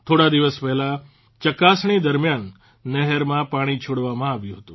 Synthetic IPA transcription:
t̪ʰoɽad̪iʋəspɛɦɛla | t͡ʃəkasɳ̃id̪əɾmjanː | ɛɦəɾmãpaɽ̃it͡ʃʰoɽʋamãaʋjũɦət̪ũ

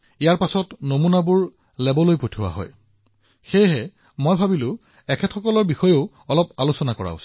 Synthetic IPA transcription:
ijaɹpasɔtnomunabʊɹ | lɛbɔlojpotʰʊwa̰ɦɔ̰j | xejɦɛ | mojbʱabilʊ̃ | ɛkʰɛtʰxɔkɔlɔɹbixɔjoʊ | ɔlɔpalosɔnakɔ̰ɹa̰ʊ̰s

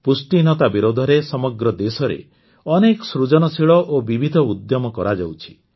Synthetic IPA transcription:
pusʈinɔt̪abiɾod̪ʱɔɾesɔmɔɡɾɔd̪esɔɾḛ | ɔnekɔ̥sɾud͡ʒɔnɔsiɭɔʔobibʱid̪ʱɔud̪jɔmɔkɔɾad͡ʒa̰wt͡ʃʰi̥

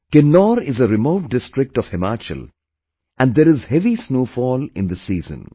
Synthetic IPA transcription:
kɪnːɔːɾɪzəɾɪmoʊʈ̚ɖɪsʈɾɪk̚ʈɔʋhɛmaːt͡ʃə̰l | ʔæ̃ɳɖd̪eɾɪzhɛʋisnoːfɔːlɪ̃nd̪əsiːzə̰̃n

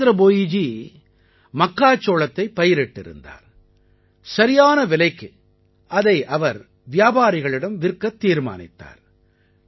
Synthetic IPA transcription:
ɾɐboːjɪd͡ʒi | mɐkːaːt͡ʃːoːlɐt̪ːɐɪpːɐjɪɾɛʈːɪ̰ɾɯ̰nd̪a̰ːɾ | sɐɾɪjaːnɐʋɪlɐɪkːɯ | ɐðɐɪʔɐʋɐɾ | ʋɪjaːbaːɾɪɣɐɭɪɽɐmʋɪɾkːɐt̪ːiːɾma̰ːnɪ̰t̪ːa̰ːɾ

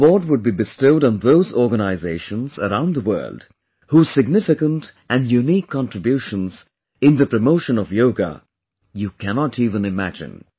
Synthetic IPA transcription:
bɔd̚wʊd̚bibɨstoʊɾ̃n̩ðoʊzɔɹɡənaɪzeɪʃə̃nz̥ə̰ɾãʊ̃nd̪əwɜ̰˞lˠd̥ | huːz̥sɪɡ̚nɪfɪkə̃ntʔɨ̃njunikʰːɑ̃ntɹ̥ɨbjuʃə̃nz̥ | ɪ̃nðɨpɹ̥əmoʊʃə̃nʌvjoʊɡə̰ | jukʰænɑtʰiːvə̃nɪmæ̰d͡ʒɪ̰̃n

